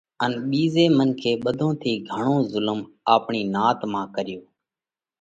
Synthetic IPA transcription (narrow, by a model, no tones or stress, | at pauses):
ənɓiːzeːmənkʰeːɓəd̪ʱõːt̪ʰiːɡʱəɳõːzʊləm | aːpɳiːnaːt̪mãːkəɾɪjoː